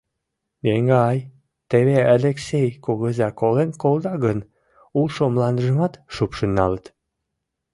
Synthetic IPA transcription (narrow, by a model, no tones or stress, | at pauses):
jeŋɡɑɑj | t̪eβeɑleksejkoɣəzækolenkold̪ɑɣən | ulʃomlɑnd̪əʒəmɑt̪ʃupʃənːɑ̰lət̪